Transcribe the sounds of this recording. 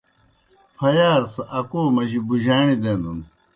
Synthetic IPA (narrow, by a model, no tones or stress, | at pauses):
pʰɐjaːɾsɐʔɐkoːmɐʑibuʑaːɳid̪ẽnd̪un